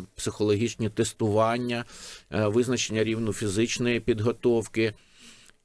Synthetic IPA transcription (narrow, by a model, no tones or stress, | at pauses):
psɪxɔlˠɔɦʲit͡ʃnʲit̪est̪ʊʋɑnʲːɐ | ʋɪznɐt͡ʃenʲːɐɾʲiwnʊfʲizɪt͡ʃnɔjipʲid̪ɦɔt̪ɔwkɪ